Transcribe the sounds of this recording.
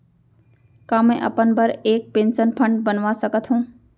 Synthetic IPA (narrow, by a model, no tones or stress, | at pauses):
kaːmẽʔə̰pənbəɾeːk̚pẽːnsənpʰə̃ɳɖbənʋasəkət̪ɦũː